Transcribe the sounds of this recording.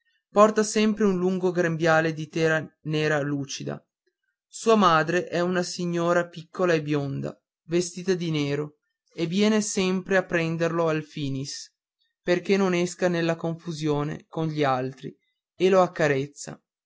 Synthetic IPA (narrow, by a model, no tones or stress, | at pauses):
pɔrt̪asɛmpɾeunluŋɡoɡɾembjaːled̪it̪ɛːɾaneːɾaluːt͡ʃid̪a̰ | suːamaːd̪ɾeʔɛunasiɲːoːɾapikʰːolaebjond̪a̰ | vest̪iːt̪ad̪ineːɾo | evjɛːnesɛmpɾeapːɾɛnd̪erloalfiːnis | perk̟enːonɛskanelːakoɱfuzjoːnḛkonʎialt̪ɾḭ | eloakːaɾet̪sːa̰